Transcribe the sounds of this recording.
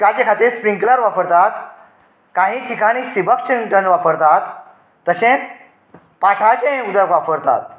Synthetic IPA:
kat͡ɕekʰat̪iɾspĩŋkləɾʋapəɾt̪at̪ | kãɦĩːʈʰikaɽ̃isibək̚t͡ɕiɳʈənʋapəɾt̪at̪ː | əɕẽt͡s | paʈʰat͡ɕeẽud̪jəkʋapəɾt̪a̰t̪̚

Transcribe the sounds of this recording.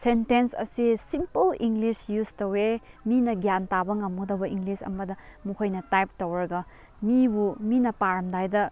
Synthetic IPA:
sentensɐ̰sisimpɐliŋɡlisjustowe | minɐɡjantabɐŋɐmɡodɐwbɐiŋɡlisɐ̰mɐdɐmukʰojnɐtajp̚towɾɐɡɐ | mibuminɐpaɾɐmdajdɐ

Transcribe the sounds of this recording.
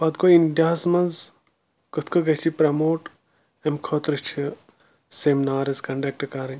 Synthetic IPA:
pɐt̪̚koint̪ʲaːsmɐnz | kɨt̪ʰkʰɨɡɐsipɾɐmoːʈ | emkʰoːt̪ɾɨt͡ʃʰi | seːmnaːɾɐzkɐɳɖɐk̚ʈkaɾɐ

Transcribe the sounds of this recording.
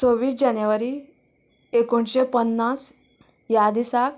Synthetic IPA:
t͡soʋiːsd͡ʑanjəʋaɾi | ekoɳɕepənːas | jad̪isak̚

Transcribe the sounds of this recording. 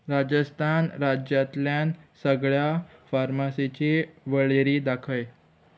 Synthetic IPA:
ɾad͡ʑəst̪ʰanɾad͡ʑjat̪ljansəɡɭjafaɾmasit͡ɕiʋəɭeɾiːd̪akʰəj

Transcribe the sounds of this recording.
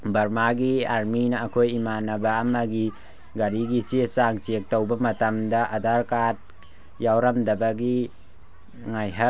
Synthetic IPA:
bɐɾmaɡiaɾminɐːkʰojimanɐbɐɐmɐɡi | ɡɐɾiɡisisaŋt͡ʃek̚tɐwbɐmɐtɐmdɐʔɐdaɾkat̚ | jawɾɐmdɐbɐɡi | ŋajɦɐ

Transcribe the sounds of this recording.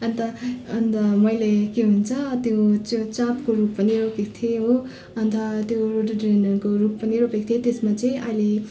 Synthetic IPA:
ʌnt̪ʌʌnt̪ʌmʌjlekeɦunt͡sʰʌt̪jot͡sjot͡sapkoɾupːʌniɾokek̚t̪ʰeɦo | ʌnt̪ʰʌt̪joɾoʈʌɖrenʌɾkoɾupːʌniɾopek̚t̪ʰjet̪esmat͡sʌj̃ʔʌle

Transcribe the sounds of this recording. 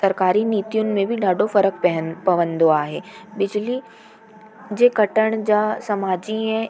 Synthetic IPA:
sɐɾkaːɾiniːt̪ijʊnɪ̆mẽbʱɪɗaːɖʱofɐɾək̚pɐəpɐʋə̃nd̪oaːɦeːɓɪd͡ʑli | d͡ʑeːkɐʈəɽ̃d͡ʑaːsɐmaːd͡ʑiɛ̃

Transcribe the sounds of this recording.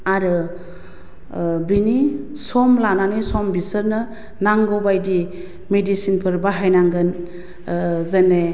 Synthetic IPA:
aɾɯ | bini | sɔmlananisɔmbisɯɾnɯ | naŋɡɔwbajdi | medisinpʰɯɾbaɦajnaŋɡɯn | zene

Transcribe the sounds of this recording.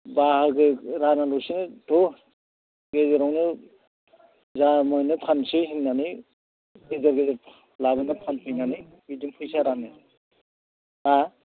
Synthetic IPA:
bahɯɡɯɾanalusinɯtʰɔ | ɡezeɾɔŋnɯ | zamɔjnɯpʰansɯjɦinːanɯ | ɡezaɾɡezaɾʰ | labɯnɯpʰanpʰɯjnanɯ | bidiŋpʰɯjsaɾanɯ | a

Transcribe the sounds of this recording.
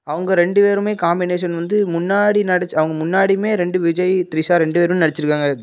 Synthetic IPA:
ɐʋɐŋɡɐɾɛɳɖɯʋeːɾɯmeːkaːmbɪneːʂɐnʋɐnd̪ɯmʊnːaːɽinɐɽɐt͡ʃːɐʋɐŋɡɐmʊnːaːɽimeːɾɛɳɖɯʋɪd͡ʒɐjt̪ɪɾisaːɾɛɳɖɯʋeːɾɯmenɐɽɐt͡ʃːɪɾɯkːaːŋɡɐ

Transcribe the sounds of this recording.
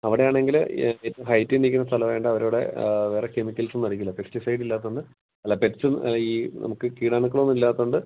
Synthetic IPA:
ɐʋiɽe̞jaːɳe̞ŋɡiletːɐɦɐjtːinikʲːunːɐst̪ʰɐlɐʋeːɳɖɨɐʋɐɾoːɽe̞̰ʋe̞ːre̞ke̞mikʲːɐlsunːɐrikʲːilːɐpeksʈisɐjɖilːaːt̪ːuɳɖɨ | ɐlːape̞tsɨiːnʔɐ̰mukːɨkiːɽaːɳuk̬ːɐɭo̞nːilːaːt̪ːuɳɖɨ

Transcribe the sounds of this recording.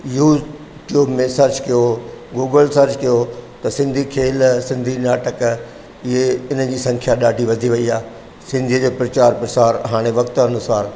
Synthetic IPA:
juːz | ʈjuːbmẽsɐɾt͡ɕkijoɡoːɡəlsɐɾd͡ʑkijot̪ɐsɪ̃nd̪ʱikʰeːlsɪ̃nd̪ʱinaːʈək | ɪɦeɪnəd͡ʑiːsɐ̃ŋkʰjaɗaːɖʱiʋɐd̪ʱiʋɐiaː | sɪ̃nd̪ʱiəd͡ʑoːpɾɐt͡ɕaːɾpɾɐsaːɾɦaːɽ̃eʋɐkt̪ɐnʊsaːɾ

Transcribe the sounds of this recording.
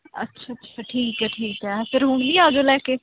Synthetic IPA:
ə̰tːʃʰaːətːʃʰaːʈʰiːkɛːʈʰiːkɛːpʰɪɾɦʊɳ̃d̪iːaːd͡ʒoːlɛːkeː

